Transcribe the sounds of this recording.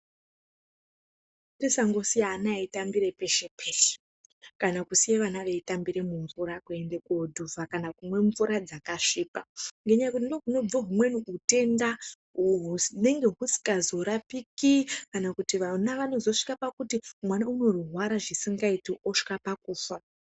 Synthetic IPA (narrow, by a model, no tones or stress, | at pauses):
tesaŋɡo̞sijanaitambiɾepe̞ʃe̞pʰeːɬe̥ | kanakusijeʋanaʋe̞itambiɾe̞muɱvuɾakue̞ndekuodʱuvakanakumwe̞ɱvuɾad͡zakaʂiːpaŋɡeɲakunoɦuno̞b͡voɦumwe̞nuute̞nda | ɦune̞ŋɡe̞ɦusi̥kazo̞ɾapikikanakutiʋanaʋano̞zo̞ʂi̥kapakutimwanauno̞ruɦwaɾaʐisiŋɡaitiʔoʂi̥kapakuːfa